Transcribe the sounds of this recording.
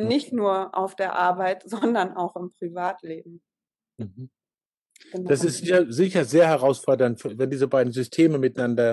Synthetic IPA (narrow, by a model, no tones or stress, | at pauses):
nɪçtnuːɐʔa̰ʊfd̥eːɐʔaɐbaɪtz̥ɔndɐnaʊxɪmpʁ̥ivaːtleːb̚m̩ | m̩hm̩ | d̥asɪstz̥ɪçɐzɪçɐzeːɐɦɛʁaʊsfɔɐdɐntfvɛndiːzəbaɪdn̩zʏstʰeːməmɪtanandɐ